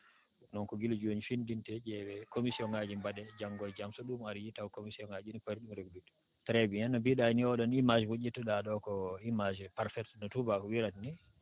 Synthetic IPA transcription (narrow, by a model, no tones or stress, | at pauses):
nɔnkɔɡild͡ʒoɲifindintɛd͡ʒɛɓɛkomisiɔŋad͡ʒimbaɗɛd͡ʒaŋɡɔjd͡ʒamsɔɗumaɾjitawkomisiɔŋad͡ʒinipɔɾɗumɾeɡulut | tɾɛbiɛnːɔbiɗajniɔɗɔnimad͡ʒɛwud͡ʒitːuɗaɗɔkɔimad͡ʒɛpaɾfɛtnɔtubakɔwiɾatni